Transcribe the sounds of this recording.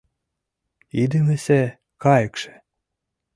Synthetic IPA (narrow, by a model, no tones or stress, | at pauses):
id̪emɘ̆se | kɑjə̆kʃĕ̥